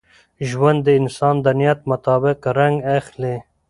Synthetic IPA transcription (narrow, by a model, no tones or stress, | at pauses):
ʒwand̪ːəɪnsɑːnd̪anijat̪̚mat̪ɑːbɪqɾaŋɡaxle